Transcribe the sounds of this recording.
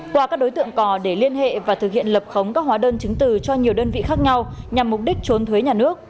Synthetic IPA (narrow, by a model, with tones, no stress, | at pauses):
kwaː˧˩kaː˦˥k̚ɗo˨˦jt̪ɨ̰˧˨əŋkɔ˨˩ɗe˧˩li˧ənɦḛ˧˨vaː˨˩t̪ʰɨ˨˩k̚hḭ˧˨ənlə˨˩p̚xə˨˦wŋ͡mkaː˦˥k̚hwaː˨˦ɗəː˧nt͡ɕɨ˨˦ŋt̪ɨ˨˩t͡ɕɔ˧ɲi˨˩əwɗəː˧nvḭ˧˨xaː˦˥k̚ɲa˧wɲa˨˩mːʊ˨˩k͡p̚ɗï˦˥k̟̚t͡ɕo˨˦nt̪ʰwe˨˦ɲaː˨˩nɨ˦˥ək̚